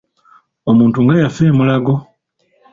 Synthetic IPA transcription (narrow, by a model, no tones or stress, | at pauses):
omuːntuŋɡajafeːmulaɡo